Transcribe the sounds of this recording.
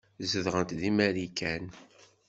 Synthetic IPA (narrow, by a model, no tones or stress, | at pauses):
zəðʁənt̪ðimæɾikæn